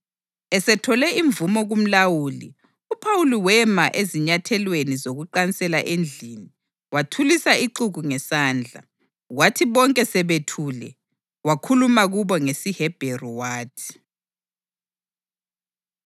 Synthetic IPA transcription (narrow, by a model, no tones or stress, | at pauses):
ɛsɛtʰɔlɛiɱvumɔɣum̩lawulḭ | upʰawuliwɛmaʔeziɲatʰɛlwenizoɣuǃansɛlaʔend͡ɮʱini | watʰulisaiǃuɣuŋɛsaːnd͡ɮʱa̰ | watʰiβɔŋkʼɛsɛβetʰuːlɛ | wakʰulumaɣuβɔŋesihɛb̥ʱerɔwaːtʰi̥